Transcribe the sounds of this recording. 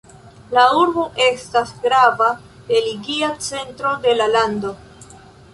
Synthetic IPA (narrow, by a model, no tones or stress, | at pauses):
lauɾboʔe̞stasɡɾava | d̥e̞liɡiat͡se̞ntɾo̞de̞lalando̞